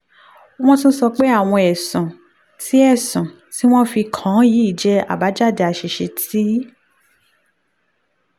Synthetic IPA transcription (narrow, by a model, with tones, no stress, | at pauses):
o˦w̃ɔ̃˦t̬ũ˦sɔ˧k͡pe˦a˦˨w̃ɔ̃˧ɛ˨sũ˨ | ti˦ɛ˦˨sũ˨ | ti˦w̃ɔ̃˦fi˧kʰã˨˦ji˨˦i˦˨d͡ʒɛ˧˦a̰˨ba˨˦d͡ʒa˦˨de˧a˧˨ʃe˧ʃe˧tʰi˦